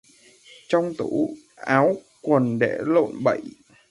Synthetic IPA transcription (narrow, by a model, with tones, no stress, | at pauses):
t͡ɕɔ˧wŋ͡mt̪u˧˩ | ʔaː˨˦w | kwə˨˩nɗḛ˧˩lo̰˧˨nɓə˧˩˨j